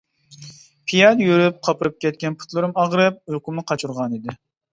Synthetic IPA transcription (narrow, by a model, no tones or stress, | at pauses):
pʰijɑd̪jøɾyp̚qʰɑpɨɾɨp̚kʲɛt̪̚kʲɛnpʰu̥t̪lˠɨɾɨmɑʁɾɨp̚øqʊmnɨqʰɑt͡ʃʰuɾʁɑnid̪ɪ